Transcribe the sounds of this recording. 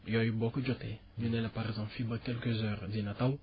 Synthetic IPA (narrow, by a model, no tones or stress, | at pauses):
jɔjbɔkəd͡ʒot̪e | nənɛlɛpaɾɛɡzãfibəkɛlkəzœʁd̪inat̪aw